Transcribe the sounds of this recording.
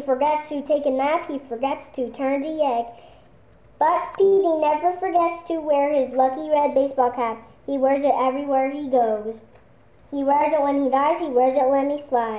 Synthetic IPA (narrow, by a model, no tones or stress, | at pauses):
ifə˞ɡɛtstʰɨtʰeɪkɨnæfhifə˞ɡɛtstʰɨtʰɜ̃˞ntɨɛɡ̚ | b̥ʌt̚pʰiɾinɛvə˞fə˞ɡɛtstʰɨwɛɹɪzlʌkiɹɛd̚beɪsb̥ɔlˠkʰæp̚ | hiwɛ˞zɨɾɛvɹiwɛɹiɡoʊz̥ | hiwɛɹzɨt̚wə̃nidaɪz̥hiwɛɹzɨtˡlɛt̚mislaɪ